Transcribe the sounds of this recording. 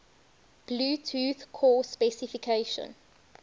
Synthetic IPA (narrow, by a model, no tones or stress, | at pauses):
b̥luːtʰuːθkʰɔːspɛsifikʰeːʃə̰̃n